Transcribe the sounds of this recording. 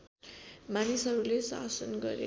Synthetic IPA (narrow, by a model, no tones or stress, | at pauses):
manisɦʌɾulesa̰sʌnɡʌ̰ɾḛ